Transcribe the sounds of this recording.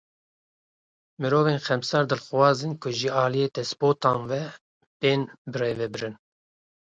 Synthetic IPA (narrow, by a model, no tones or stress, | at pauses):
mɨɾoːveːnxɛmsɑːɾd̪ɨlxwɑːzinkʰʊʒiɑːlijeːt̪ɛspoːt̪ɑːnvɛ | peːnbɨɾeːvɛbɨɾɨn